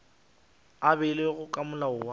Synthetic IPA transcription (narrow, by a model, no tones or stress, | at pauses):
abɪleɣʊkʼamʊlaʊa